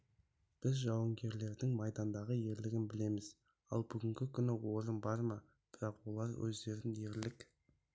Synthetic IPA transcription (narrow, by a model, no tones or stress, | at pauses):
b̥ɪzʒɑwəŋɡʲe̞ɾle̞ɾd̪ɪŋmɑjd̪ɑnd̪ɑʁəje̞ɾlɪɡʲɪnbɪle̞mɪz | ɑ̰lˠbʏɡʲɪŋɡʲɪkʲʰʏnɪwo̞ɾənbɑɾmɑ | b̥ɪɾɑqwo̞lˠɑɾwɵ̰zd̪e̞ɾɪnje̞ɾlɪk